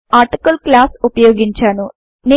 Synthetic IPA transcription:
aːɾʈikɐlklaːsupɐjoːɡiɲt͡ʃaːnu | ne

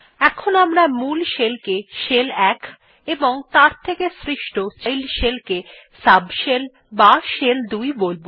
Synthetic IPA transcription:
ɛkʰonamɾamulʃelkeʃelɛk | eboŋt̪aɾt̪ʰekesɾiʃʈot͡ɕajlʃelke | sabʃel | baʃeld̪ujbolbo

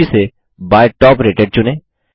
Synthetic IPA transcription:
ise | baːjʈɔːpɾeːʈeɖ̚t͡ʃʊnẽː

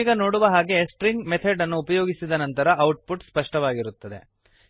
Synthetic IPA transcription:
iɡɐno̞ːɽuʋɐɦaːɡe̞sʈɾiŋɡmet̪ʰɐɖɐnːuːpɐjoːɡisid̪ɐnɐnt̪ɐɾɐʔɐwʈ̚puʈspɐʂʈɐʋaːɡiɾut̪ːɐd̪e̞̰

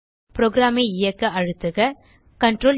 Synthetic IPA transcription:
pɪɾoːɡɪɾaːmeɪjɐkːɐɐɻɯt̪ːɯɣɐ | kɐɳʈɾoːl

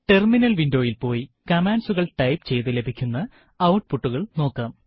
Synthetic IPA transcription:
ʈe̞rminɐlʋindo̞ːjilpo̞ːjikɐmaːnsuɣɐɭʈɐjpt͡ɕe̞jt̪ɨle̞bʱikʲːunːɐ | ɐwʈ̚puʈːuɣɐɭno̞ːkːɐːm

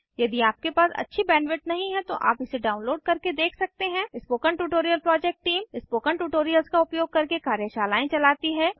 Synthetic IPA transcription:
jɐd̪iaːp̚kepaːsɐ̰tːʃʰibɛ̃ːnʋɪʈ̚nɐɦĩɦɛ̃t̪oʔa̰ːpɪseɖaːʊ̃nloːɖ̚kɐɾked̪eːkʰsɐk̚t̪eɦɛ̃ɪspoːkəɳʈuːʈoːɾijəlpɾɔːd͡ʒɛk̚ʈʈiːmɪspoːkəɳʈuːʈoːɾijəlskaʊpjoːɡ̚kɐɾkekaːɾjəʃaːlaːẽt͡ʃɐlaːt̪iɦɛ̃ː

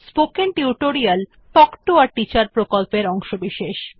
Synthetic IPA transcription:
spokenʈiuʈoɾial | pɔkʈuaɾʈit͡ɕaɾpɾokolpeɾɔŋʃobiʃeʃ

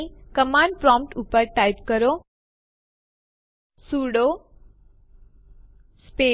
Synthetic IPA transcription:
ikəmãɳɖ̚pɾɔ̃mpʈupəɾʈajpkəɾo | suɽo | spe

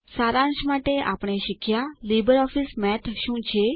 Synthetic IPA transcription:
saːɾãːnʃmaːʈeʔa̰ːpɽ̃eʃɪkʰjaliːbəɾɔːfʰɪsmɛːt̪ʰʃũːt͡ʃʰeː

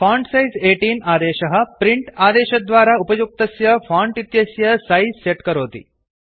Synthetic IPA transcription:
faɳɖsaizeʈiːnaːd̪eɕɐɦəpɾiɳʈad̪eːɕɐd̪ʋaːɾaupəjuk̚t̪ɐsjɐfaɳʈit̪jɐsjɐsaizseʈkəɾɦoːt̪ḭː

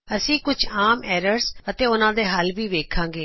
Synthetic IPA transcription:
əsĩːkʊd͡ʒaːmɛːɾəɾsət̪eːʊnãːd̪eːɦəlʋiːʋeːkʰãːŋɡeː

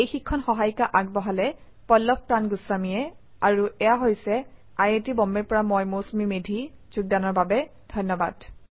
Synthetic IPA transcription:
ejxikʰːɔnxɔɦajkaʔaɡ̚bɔɦalɛ | pɔlːɔp̚ʰpɹanɡʊsːamijɛ | aɹuʔɛjaɦojsɛ | ajetibɔmbɛɹpɔɹamɔjmosmimedʱiz̥uɡ̚danɔɹbabɛdʱɔnːɔbad̥

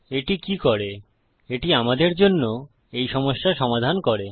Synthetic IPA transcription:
eʈikikɔɾe | eʈiamad̪eɾd͡ʑonːo | ejʃɔmoʃːaʃɔmad̪ʱankoɾe

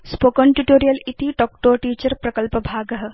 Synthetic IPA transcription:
spokəɳʈuʈoːɾijɐlit̪iʈɔk̚ʈoːʈiːt͡ʃɐɾpɾɐkəlpɐbʱaːɡɐɦə̆

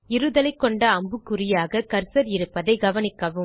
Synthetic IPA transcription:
ɪɾɯðɐlɐɪkːɔɳɖɐɐmbɯkːʊɾɪjaːɣɐkɐɾsɐɾɪɾɯpːɐðɐɪɡɐʋɐnɪkːɐʋɯ

